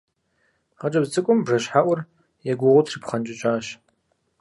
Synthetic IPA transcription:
ʁɐt͡ʃʼɐbt͡sʼɨkʷʼʊmbʐɐɕħaʔʷʊr | jɛɡʷʊʁʷʊtʰripχɐnt͡ʃʼɪt͡ʃʼaːɕ

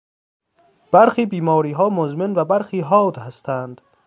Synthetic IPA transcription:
b̥æɾxiːbiːmɒːɾiːɦɒːmozmenvæbæɾxiːɦɒːd̪hæst̪ʰænd̪̥

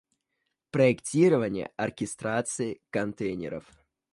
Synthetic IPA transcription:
pɾəɪktʲiɾəvənʲɪjə̰ʔɐrkʲɪst̪ɾat̪sɨɪkɐnt̪ejnʲɪ̰ɾə̰f

